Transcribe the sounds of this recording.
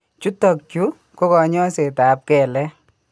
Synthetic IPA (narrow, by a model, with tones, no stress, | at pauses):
t͡ʃu˦tɔ˨kt͡ʃu˦ | ko˦kɔ˨ɲɔ˦se˨ta˨p̚kɛ˨lɛ˦